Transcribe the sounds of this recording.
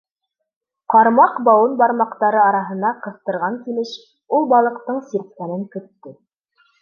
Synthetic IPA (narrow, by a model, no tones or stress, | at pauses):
qɑɾmɑqbɑwɤnbɑɾmɑqt̪ɑɾɤɑɾɑɦɤ̆nɑqɤ̆θt̪ɤ̆ɾʁɑŋkilɘʃ | ulˠbɑlˠɤ̆qt̪ɤɴsiɾt̪̚kænɘŋkɵ̆t̪ːɘ